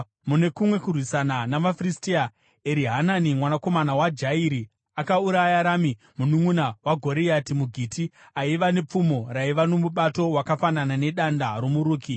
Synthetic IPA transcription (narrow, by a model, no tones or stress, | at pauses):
mune̞kumwe̞kurwisananamafristia | eɾiɦananimwanako̞manawad͡ʒaiɾi | akauɾajjaɾami | munumunawaɡʱo̞ɾijatimuɡʱitʰi | aiʋane̞p͡fumo̞raiʋano̞muɓato̞wakafananane̞ɗandaɾomuɾuːki